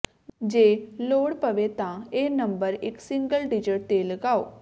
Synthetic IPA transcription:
d͡ʒeːloːɽpəʋeːt̪ãːeːnəmbəɾɪksɪ̃ŋɡəlɖɪd͡ʒəʈ̚t̪eːləɡaːoː

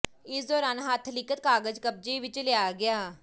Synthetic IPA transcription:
ɪsd̪oːɾaːnɦət̪ʰːlɪkət̪̚kaːɡəd͡ʒkəp̚d͡ʒiːʋɪt͡ʃlɪaːɡɪaː

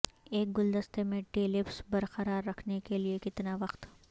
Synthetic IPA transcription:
eːk̚ɡʊld̪ɐst̪emẽʈeːlɪpsbɐɾqɐɾaːɾːɐkʰnekeliekɪt̪naʋɐqt̪

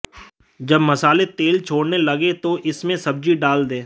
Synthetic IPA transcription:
d͡ʒɐbmɐsaːlet̪eːlt͡ʃʰoːɽnelɐɡet̪oʔɪsmẽsɐb̚d͡ʒiɖaːld̪ẽː

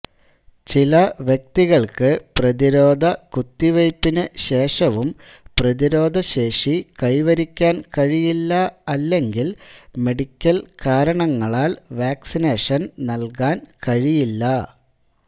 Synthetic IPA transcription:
t͡ɕilɐʋjek̚t̪iɣɐɭkɨprɐðiɾo̞ːd̪ʱɐkut̪ːiʋɐjpːinɨɕe̞ːʂɐʋum | prɐðiɾo̞ːd̪ʱɐɕe̞ːʂikɐjʋɐɾikʲːaːnkɐɻijilːɐɐlːe̞ŋɡilme̞ɽikʲːɐlkaːɾɐɳɐŋːɐɭaːlʋaːksine̞ːʂɐnnɐlkaːnkɐɻijilːɐ

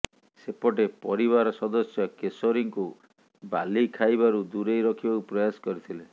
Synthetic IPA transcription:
sepɔʈepɔɾibaɾɔsɔd̪ɔsjɔkesoɾiŋku | ba̰likʰajbaɾud̪uɾejɾɔkʰibakupɾɔjasɔ̥kɔɾit̪ʰile

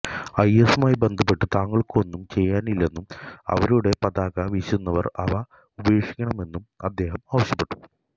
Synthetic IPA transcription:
ɐjesumaːjibe̞nd̪ʱɐpːe̞ʈːɨt̪aːŋːɐɭkɨo̞nːumt͡ɕe̞jːaːnilːe̞nːumɐ̰ʋɐɾuɽe̞pɐd̪aːɣɐʋiɕunːɐʋɐ̰rɐ̰ʋɐ | ubɐjeːʂi̥kʲːɐɳɐme̞nːumɐd̪ːe̞ːɦɐmaːʋɐɕjɐpːe̞ʈːu̥

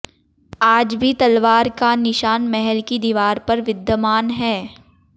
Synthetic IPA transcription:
aːd͡ʒbʱit̪ɐlʋaːɾkanɪʃaːnmɛɦɛlkid̪iʋaːɾpɐɾʋɪd̪ːəmaːnɦɛː

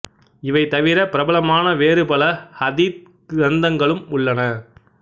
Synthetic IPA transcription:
ɪʋɐɪt̪ɐʋɪɾɐpɪɾɐbɐlɐmaːnɐʋeːɾɯpɐlɐhɐðit̚ | ɾɐnd̪ɐŋɡɐɭɯmʊɭːɐnɐ

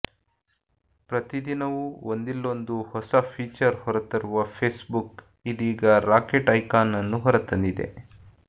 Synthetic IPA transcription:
pɾɐt̪id̪inɐʋuond̪ilːo̞nd̪uhɔsɐpʰiːt͡ʃɐɾhɔɾɐt̪ɐɾuʋɐpʰeːsbuk | id̪iːɡɐɾaːkeʈɐjkaːnːɐnːuɦɔɾɐt̪ːɐnd̪id̪e̞̰

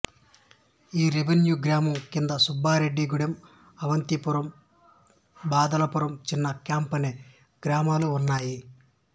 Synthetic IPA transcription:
iːɾibenjuɡɾaːmɐmkind̪ɐsubʱːaːɾe̞ɖːiɡuɽɐm | ɐʋɐnt̪ipuɾɐm | baːd̪ɐlɐpuɾɐmt͡ʃinːɐkjaːmpɐne | ɡ̥ɾaːmaːluːnːaːji

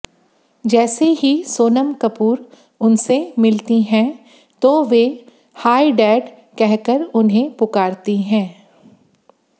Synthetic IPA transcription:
d͡ʒɛːseɦisoːnəmkɐpuːɾ | ʊnsemɪlt̪iɦɛ̃ | t̪oʋe | haːiɖɛːɖ | kɛɦkəɾʊnɦẽpʊkaːɾt̪iɦɛ̃ː

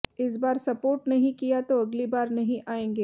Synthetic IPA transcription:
ɪs̬baːɾsɐpoːɾʈnɐɦĩkijat̪oɐɡlibaːɾnɐɦĩʔaːẽːŋɡeː

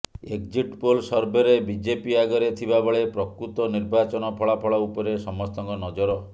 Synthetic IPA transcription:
ek̚d͡ʒiʈpolsɔɾbeɾebid͡ʒepiaɡɔɾet̪ʰibabɔɭepɾɔkɾut̪ɔniɾbat͡ʃɔnɔpʰɔɭapʰɔɭaupɔɾesɔmɔst̪ɔŋkɔnɔd͡ʒɔɾɔ

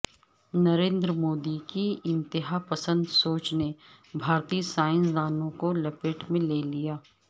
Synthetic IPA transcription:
nɐɾẽːnd̪ɾəmoːd̪ikiɪ̃nt̪ɪɦapɐsə̃nd̪soːt͡ʃne | bʱaːɾt̪iːsaːɪ̃ns̬d̪aːnõkolɐpɪʈmẽleːlijaː

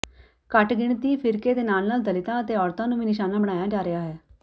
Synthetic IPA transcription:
kəʈɡɪɳ̃t̪iːpʰɪɾkeːd̪eːnaːlnaːld̪əlɪt̪ãːət̪eːɔːɾt̪ãːnũːʋiːnɪʃaːnãːbəɽ̃aːjaːd͡ʒaːɾɪaːɦɛː

